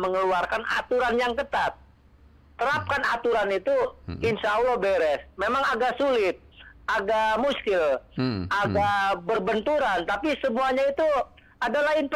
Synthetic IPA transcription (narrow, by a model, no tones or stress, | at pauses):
məŋəluarkana̰t̪uɾanjaŋkət̪at̪̚ː | əɾap̚kanat̪uɾanit̪uɪnsaulobeɾɛsmemaŋaɡasulɪt̪̚aɡamuskɪlʔaɡabərbənt̪uɾant̪apisəmuaɲait̪u | adalahinp